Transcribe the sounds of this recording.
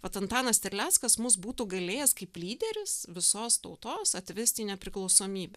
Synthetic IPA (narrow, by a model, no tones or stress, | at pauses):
ʋɐt̪ɐnt̪ɑːnɐst̪ʲɪɾʲlʲæːt̪skɐsmʊs̬buːt̪uːɡɐlʲeːjɛskɐɪplʲiːd̪ʲɛɾʲɪsʋʲɪsoːst̪ɒʊt̪oːsɐt̪ʲʋʲɪsʲt̪ʲiːnʲɛpʲɾʲɪklˠɒʊsoːmʲiːbʲɛ